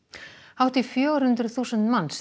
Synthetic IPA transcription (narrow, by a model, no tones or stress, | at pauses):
hawht̪ifjœːɾ̥hʏnt̪ɾʏθuːsənt̪manːs